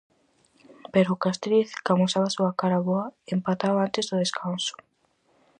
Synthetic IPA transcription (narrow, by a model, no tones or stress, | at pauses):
peɾokast̪ɾiθkamusaβasuakaɾaβoaempat̪aβant̪ezðoðeskʰanso̥